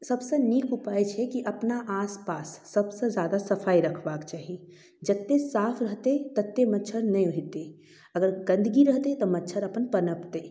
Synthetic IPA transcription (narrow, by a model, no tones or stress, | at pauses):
sɐbseniːkʰʊpaːjt͡ʃʰɛkiʔɐpnaʔaːspaːsːɐbsed͡ʒjaːd̪asɐfʰaːiɾəkʰbaːkt͡ʃaːɦi | d͡ʒət̪ːesaːpʰɾəɦt̪et̪ət̪ːemɐtːʃʰəɾnɐĩɦʊɦit̪e | ɐɡəɾɡə̃nd̪əɡiɾəɦt̪et̪ɔmɐtːʃʰəɾɐpənpənəpt̪eː